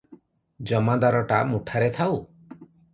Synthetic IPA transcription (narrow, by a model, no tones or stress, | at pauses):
d͡ʒɔmad̪aɾɔʈamuʈʰaɾet̪ʰaw